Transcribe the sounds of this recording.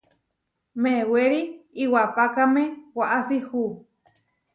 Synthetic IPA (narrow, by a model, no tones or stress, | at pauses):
meweɾiiwapakamewaʔasihu